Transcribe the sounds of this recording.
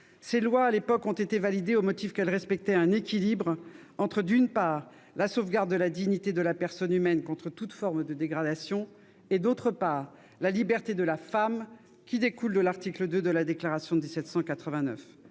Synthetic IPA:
selwaːlepɔkɔ̃t̪et̪evalid̪eomɔt̪ifkɛlʁɛspɛk̚t̪ɛɛ̃nekʲilibʁ | ɑ̃t̪χəd̪ynpaːʁ | lasovɡaʁd̪ːəlad̪iɲit̪ed̪əlapɛʁsɔnymɛnkɔ̃t̪χət̪ut̪fɔʁmd̪əd̪eɡʁad̪asjɔ̃ | ed̪ot̪χəpaːʁ | lalibɛʁt̪ed̪əlafam | kʲid̪ekuld̪əlaʁt̪ikləd̪ød̪əlad̪eklaʁasjɔ̃d̪isɛt̪sɑ̃kat̪χəvɛ̃nœf

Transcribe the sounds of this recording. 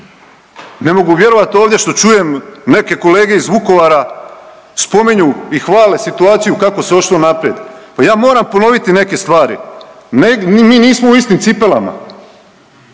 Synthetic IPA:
ne̞mo̞ɡuʋje̞ɾo̞ʋat̪o̞ːʋd̪ʲjeʃt̪o̞t͡ʃuje̞mne̞ke̞ko̞le̞ːɡe̞izʋuko̞ʋaɾa | spo̞miɲuixʋaːlesit̪uaːt̪sijukako̞seo̞ʃlo̞napɾjed̪pajaːmo̞ːɾampo̞no̞ʋit̪ine̞ke̞st̪ʋaːɾḭnemiːniːsmouist̪imt̪sipe̞la̰ma̰

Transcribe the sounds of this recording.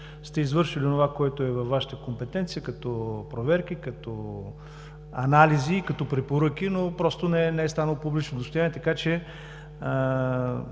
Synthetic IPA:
st̪ɛizvɤɾʃilionovakɔɛt̪oɛvɐfvːaʃə̥t̪əkompɛt̪ɛnt̪sijəkɐt̪ɔpɾovɛɾkikɐt̪ɔ | ɐnalizikɐt̪ɔpɾɛpoɾɤk̟inopɾɔst̪onɛnɛɛst̪anəlˠpublit͡ʃnod̪ost̪oʊjaniɛt̪ɐkat͡ʃɛ | ə

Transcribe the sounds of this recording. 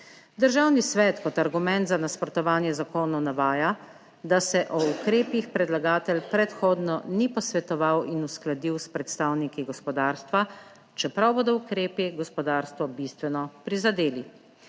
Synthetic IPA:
d̪əɾʒaːwnisʋɛːt̪kɔt̪aɾɡumɛ̃nt̪zanaspɾɔt̪ɔʋaːnjɛzakoːnɔnaʋaːja | d̪asɛʔɔukɾeːpixpɾɛd̪laɡaːt̪ɛlpɾɛt̪xoːd̪nɔnipɔsʋɛt̪ɔʋawinusklad̪iwspɾɛt̪st̪aːwnikiɡɔspɔd̪aːɾst̪ʋa | t͡ʃɛpɾawboːd̪ɔukɾeːpiɡɔspɔd̪aːɾst̪ʋɔbist̪ʋɛnɔpɾizad̪eːli

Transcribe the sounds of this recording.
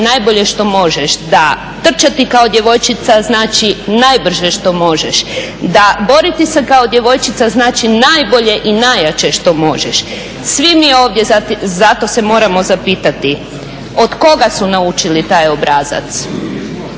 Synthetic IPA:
najbo̞ʎe̞ʃt̪o̞mo̞ʒeʃd̪a | t̪r̩t͡ʃat̪ikao̞d̪je̞ʋo̞jt͡ʃit̪saznaːt͡ʃinajbr̩ʒeʃt̪o̞mo̞ʒeʃ | d̪abo̞ɾit̪isekao̞d̪je̞ʋo̞jt͡ʃit̪saznaːt͡ʃinajbo̞ʎe̞ʔinajat͡ʃeʃt̪o̞mo̞ʒeʃ | sʋimio̞ːʋd̪je̞zazat̪o̞se̞mo̞ːɾamo̞zapiːt̪at̪i | o̞d̪ko̞ɡasunaut͡ʃilit̪aːjo̞bɾaːza̰t̪s

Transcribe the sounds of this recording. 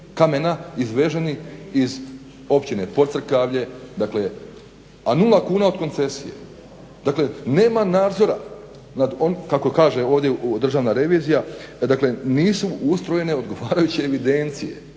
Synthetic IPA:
kamenaizʋe̞ʒeniiz | o̞pt͡ɕine̞po̞t̪sr̩kaʋʎe̞d̪akle̞ | anulˠakuːnao̞d̪ko̞nt̪se̞sije̞̰ | d̪̥akle̞ne̞ːmanaːd̪zo̞ɾa̰ | nad̪onkako̞kaːʒe̞o̞ːʋd̪ʲjed̪r̩ʒaːʋnaɾe̞ʋiːzijad̪akle̞niːsuust̪ɾo̞je̞ne̞o̞d̪ɡo̞ʋaːɾajut͡ɕieʋid̪e̞nt̪sije̞̰

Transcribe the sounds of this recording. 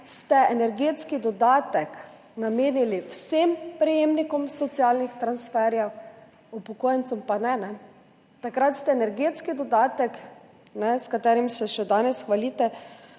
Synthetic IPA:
st̪ɛɛnɛɾɡeːt̪skid̪ɔd̪aːt̪ɛk | nameːniliwsempɾɛjeːmnikɔmsɔt̪sialnixt̪ɾansfɛːɾjɛw | upɔkoːjɛnt̪sɔmpanɛnɛ | t̪akɾat̪st̪ɛɛnɛɾɡeːt̪skid̪ɔd̪aːt̪ɛk | nɛskat̪ɛːɾimsɛʃɛd̪aːnɛsxʋaliːt̪ɛ

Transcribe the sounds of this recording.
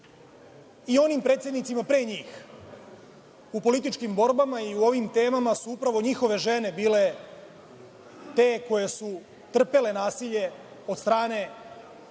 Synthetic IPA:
io̞nimpɾe̞ːt̪sjed̪nit̪simapɾeːɲiːx | upo̞lit̪̬it͡ʃkimbo̞ɾbamaiuo̞ʋimt̪e̞ːmamasuupɾaʋo̞ɲixo̞ʋe̞ʒe̞ne̞biːle̞ | t̪e̞ːko̞je̞su | t̪r̩pe̞le̞naːsiʎe̞ | od̪st̪ɾaːne̞

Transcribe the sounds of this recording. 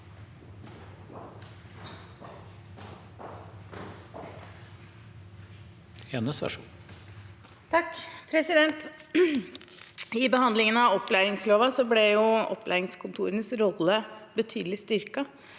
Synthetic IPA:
eːnəsæ̰ʂu | t̪ʰɑkːpʰɾɛsɪd̪ɛnt̪ | ɪbəhɑnd̪lɪŋənɑɔpːlæːɾɪŋsloːʋɑsɔblɛjʊɔ̰plʔæ̰ːɾɪŋskʰʊnt̪ʰuːɾənəsɾɔlːəbət̪ʰyːd̪l̩ɪst̪ʏɾkɑ

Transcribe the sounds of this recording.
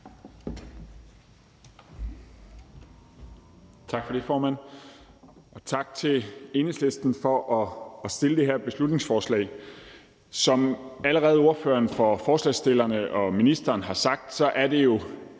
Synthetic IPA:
t͡sʰɑ̈ɡ̥fɒ̽de̝fɒːmæn̰ | ɒ̽t͡sʰɑ̈ɡ̥̚t͡sʰe̝le̝nesle̝sd̥n̩fɒ̽ʔɒ̽ːsd̥e̝ləd̥e̝ɦeɐ̰b̥e̝slud̥ne̝ŋsfɒːslɛ̰ɪ | sɒ̽mæləʁɛːð̩ˠo̝ɐfø̰ːɐnfɒ̽fɒːslɛ̰ːsd̥elɐnəʔɒ̽minisd̥ɐːnhɑ̈sɑ̈ɡ̥̚d̥sɒ̽ʔæɐd̥e̝jo̝

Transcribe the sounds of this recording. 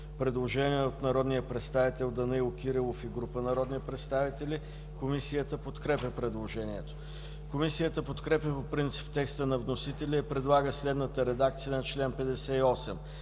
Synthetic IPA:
pɾɛd̪lˠoʒɛniɛot̪nɐɾɔd̪nijəpɾɛt̪st̪avit̪ɛlˠd̪ɐnɛilˠok̟ʲiɾilˠofiɡɾupənɐɾɔd̪nipɾɛt̪st̪avit̪ɛlʲi | komisijət̪əpot̪kɾɛpʲəpɾɛd̪lˠoʒɛniɛt̪o̥ | komisijət̪əpot̪kɾɛpʲjəpopɾint̪si̥pt̪ɛkst̪ənɐvnosit̪ɛlʲɛipɾɛd̪lˠaɡəslɛd̪nət̪əɾɛd̪akt̪sijənɐt͡ʃlɛnpɛd̪ɛsɛiɔsɛm

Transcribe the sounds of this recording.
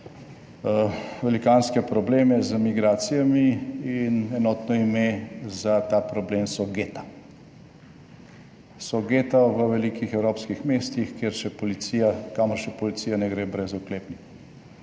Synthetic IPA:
ʋɛlikaːnskɛpɾɔbleːmɛzəmiɡɾaːt̪sijamiinɛnɔːt̪nɔimezat̪aːpɾɔbleːmsɔɡeːt̪ḁ | sɔɡet̪aʋəʋɛlikixɛwɾoːpskixmeːst̪ixkjeɾʃɛpɔlit̪siːjakaməɾʃɛpɔlit̪siːjanɛɡɾeːbɾɛzukleːpnik

